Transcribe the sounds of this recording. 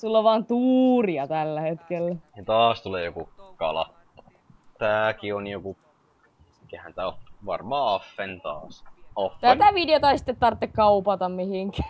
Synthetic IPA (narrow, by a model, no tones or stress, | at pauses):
sulːoʋʋɑːnt̪uːriɑt̪ælːæhet̪kelːæet̪ɑːst̪uleːjokukɑ̰lɑ̰tː | t̪æːkionjoku | mikehænt̪æoʋɑ̰rmɑːɑfːent̪ɑ̰ːsɑfːt̪æt̪æʋideot̪ɑisi̥t̪ːet̪t̪ɑrt̪ːekkɑupɑt̪ɑmmihiŋkæ̥ː